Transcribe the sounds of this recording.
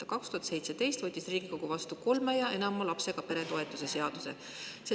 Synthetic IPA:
ɑkɑkst̪uhɑt̪se̞jt̪se̞t̪e̞jst̪vɤt̪ʲːˑisriːɡ̥iko̞ɡ̥uvɑst̪uko̞lmejɑʔe̞nɑmɑlɑpseɡ̥ɑpe̞ɾe̞t̪o̞e̞t̪ːˑuse̞se̞ɑd̪̥use̞̰ | se

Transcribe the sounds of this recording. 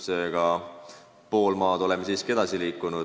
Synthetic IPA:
seɡ̥ɑ | po̞ːlmɑːd̪̥o̞lemːesiːske̞d̪̥ɑsiliːkːˑunu̥

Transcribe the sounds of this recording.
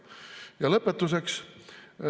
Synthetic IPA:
jɑlɤpːet̪ːuse̞ks

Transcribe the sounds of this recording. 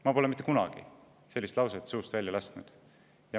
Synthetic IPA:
mɑpolemit̪ːˑekunɑ̰ɡ̥ḭ | se̞lːist̪lɑwset̪suːst̪væljɑlæsnud̪̥ | jɑ

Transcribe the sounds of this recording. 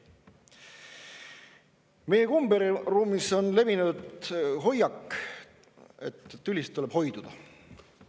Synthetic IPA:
me̞jekumbeɾiruːmiso̞nle̞vinud̪ɦo̞jɑkː | e̞̰t̪ːt̪ːylʲist̪ːule̞b̥ho̞jd̪̥ud̪̥ɑ

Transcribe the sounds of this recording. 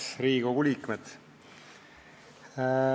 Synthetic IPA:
sɾiːɡoɡ̥uliːkmet̪

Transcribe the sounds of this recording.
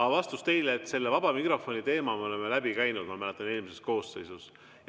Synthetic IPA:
ɑvɑst̪ust̪e̞jleːt̪ːse̞lːevɑb̥ɑmikro̞fo̞nʲit̪e̞ːmɑmeo̞le̞mːelæbikæjnud̪̥mɑmælet̪ːˑɑnelmise̞s̚ko̞ːsːe̞jsus

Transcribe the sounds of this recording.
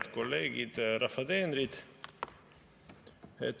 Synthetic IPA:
t̪koleːɡit̪ɾafad̪eːnɾit̪ | het̪

